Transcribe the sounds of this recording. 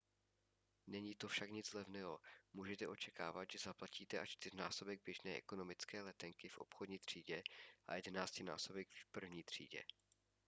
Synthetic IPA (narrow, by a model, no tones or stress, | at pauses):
nɛɲiːt̪o̞fʃakɲɪd͡zlɛvnɛɦo̞muːʒɛt̪ɛʔo̞t͡ʃɛkaːvat̪ʒɛzaplaciːt̪ɛʔaʃt͡ʃt̪ɪrnaːso̞bɛɡ̚bjɛʒnɛːʔɛ̰ko̞no̞mɪt͡skɛːlɛt̪ɛŋkɪfʔo̞̰pxodɲiːt̪r̝̥iːɟɛʔa̰jɛdɛnaːscɪna̰ːso̞bɛkfpr̩vɲiːt̪r̝̥ḭːɟɛ̰